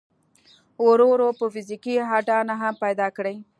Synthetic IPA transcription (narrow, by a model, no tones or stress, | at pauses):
oɾoɾopəfɪzikiɦɑʈɑnaɦampajd̪ɑkɽej